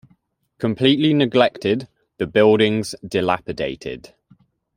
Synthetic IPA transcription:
kʰə̃mpʰl̥iˑʔlinɪɡlɛk̚tʰɪd̪ | ðəbɪlˠdɪ̃ŋz̥dɪla̰pɪdeɪtʰɪ̰d̥

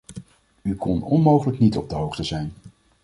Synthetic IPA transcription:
ykʰɔnɔnmowχələknitɔb̚dəɦowχtəzɛjn

